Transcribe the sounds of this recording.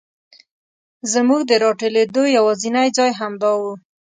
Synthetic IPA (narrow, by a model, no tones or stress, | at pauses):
zəmuɡd̪əɾɑʈəled̪ojawɑzinajd͡zɑjɦamd̪ɑwu